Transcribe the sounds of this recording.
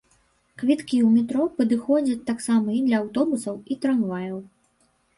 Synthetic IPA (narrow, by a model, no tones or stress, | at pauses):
kvʲit̪kʲiwmʲɛt̪ɾɔpɐd̪ɨxɔd͡zʲɐt͡sʲt̪aksamɐid̪lʲɐːwt̪ɔbusɐwit̪ɾanvajɐw